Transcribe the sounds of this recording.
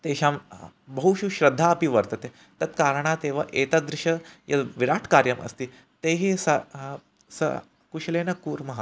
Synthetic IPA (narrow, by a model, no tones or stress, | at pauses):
t̪eɕambɐɦuʃuɕɾɐd̪ʱːaɐpiʋɐɾt̪ɐt̪e | t̪ɐt̪kaːɾəɳ̃at̪eʋɐʔet̪ad̪ɾɪʃɐjɐʋiɾaːʈʰkaːɾjɐmʔɐ̰st̪iː | t̪eɦisɐ | sɐ̰ | kuɕlenɐkuːɾmɐɦa